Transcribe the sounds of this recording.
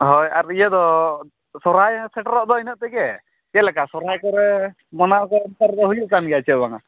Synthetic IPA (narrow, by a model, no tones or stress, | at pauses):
ɦɔjaɾijɛd̪ɔ | sɔɾajsɛʈɾɔʔd̪ɔinəʔ̚t̪ɛkɛ | kɛlɛkasɔɾajkɔɾɛ | mɔnaʔkɔɔnt̪aɾd̪ɔɦujuʔkanɡɛat͡ʃʰɛʔbaŋa̰